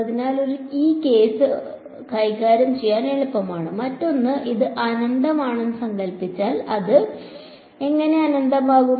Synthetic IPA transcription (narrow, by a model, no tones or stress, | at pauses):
ɐðinaːlo̞ɾuiːke̞ːsɨ | kɐjkaːɾɐmt͡ɕejːaːneɭupːɐmaːɳɨmɐtːo̞nːɨʔiðɨʔɐnɐnd̪ɐmaːɳenːɨsɐŋɡɐlpit͡ɕːaːlɐðɨ | e̞ŋːɐne̞ɐnɐnd̪ɐmaːɣu